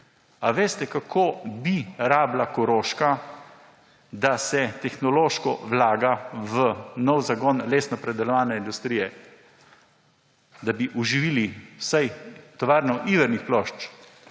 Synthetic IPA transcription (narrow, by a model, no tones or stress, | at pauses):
aʋeːst̪ɛkakʰoːbiɾaːblakɔɾoːʃka | d̪asɛt̪ɛxnɔloːʃkɔʋlaːɡaʋənɔwzaɡɔnleːsnɔpɾɛd̪ɛlɔʋaːnɛind̪ust̪ɾijɛ | d̪abiʔuʒiʋilisajt̪ɔʋaːɾnɔʔiʋəɾnixplɔʃt͡ʃ